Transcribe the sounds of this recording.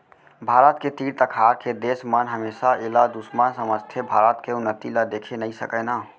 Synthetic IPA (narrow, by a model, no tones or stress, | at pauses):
bʱaːɾət̪ket̪iːɽt̪əkʰaɾkʰed̪eːsmənɦəmeːsaelad̪usmənsəməst̪ʰjəbʱaːɾət̪keʊnːət̪ilad̪ekʰenəisə̰kəna